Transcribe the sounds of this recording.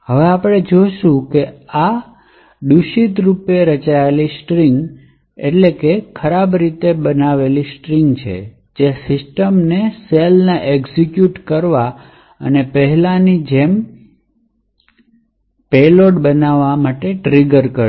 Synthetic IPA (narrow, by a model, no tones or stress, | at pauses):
ɦəʋeapɽ̃ed͡ʒoʃũkea | d̪uʃit̪ɾupeɾət͡ʃaelisʈɾiŋɡ | ḛʈlekekʰəɾabɾit̪ebənaʋelisʈɾiŋɡt͡ʃʰḛ | d͡ʒesɪsʈəmneselnaʔeɡzikjuʈkəɾʋa | ə̰nepəɦɛlanid͡ʒem | peloʈbənaʋːamaʈeʈɾiɡəɾkəɾ